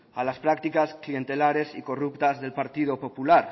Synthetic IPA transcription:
a̰laspɾak̚t̪ikasklient̪elaɾesikorupt̪azðe̞lpaɾt̪ið̞opopulaɾ

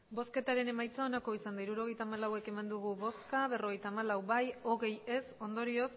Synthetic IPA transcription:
bo̞ske̞t̪aɾe̞ne̞majt͡sao̞nako̞isand̪aiɾuɾo̞ɣ̞e̞jt̪aːmalawe̞ke̞mand̪uɣ̞uβo̞skaβe̞ro̞ɣ̞e̞jt̪aːmalawbajo̞ɣ̞e̞je̞so̞nd̪o̞ɾio̞s

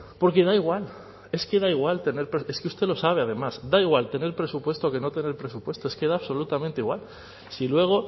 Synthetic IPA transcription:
po̞ɾke̞ðaiɣwal | e̞skeðaiɣwalt̪e̞ne̞ɾpɾee̞skust̪e̞lo̞saβ̞e̞að̞e̞masd̪aiɣ̞walt̪e̞neɾpɾe̞supwe̞st̪oke̞no̞t̪e̞ne̞ɾpɾe̞supwe̞st̪oeskeðaβso̞lut̪amẽnt̪eiɣwal | silwe̞ɣ̞o̞

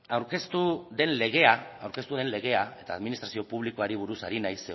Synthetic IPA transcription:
awɾke̞st̪uðe̞nle̞ɣ̞e̞aawɾke̞st̪uðe̞nle̞ɣe̞ae̞t̪aːðminist̪ɾasio̞puβ̞liko̞aɾiβ̞uɾusaɾinajse

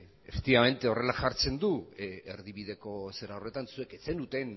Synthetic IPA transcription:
est̪iβame̞nt̪eo̞re̞laʝaɾt͡se̞nd̪ueɾðiβ̞iðe̞ko̞se̞ɾawre̞t̪ansue̞ket͡send̪ut̪e̞n

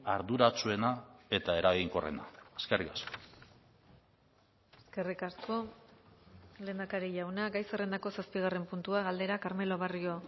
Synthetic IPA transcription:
aɾðuɾat͡sue̞nae̞t̪ae̞ɾaɣiŋkorḛna̰eskerikasko̥ | eske̞rikasko̞ | le̞ːnd̪akaɾiʎawnaɡajsere̞nd̪ako̞saspiɣ̞are̞mpunt̪uaɣald̪e̞ɾakaɾme̞lo̞β̞ario̞

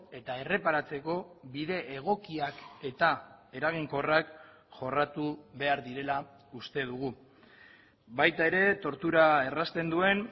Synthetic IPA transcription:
e̞t̪ae̞re̞paɾat͡se̞ko̞βiðe̞ʔːɣ̞o̞kiake̞t̪ae̞ɾaɣ̞iŋko̞rak | ʝo̞rat̪uβe̞aɾðiɾe̞la | ust̪e̞ð̞uɣ̞u | bajt̪ae̞ɾe̞t̪o̞ɾt̪uɾae̞rast̪e̞nd̪ue̞n

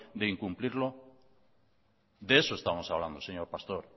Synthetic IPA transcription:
d̪eiŋkumpliɾlo | d̪eesoest̪amo̞saβland̪oseɲoɾpast̪oɾ

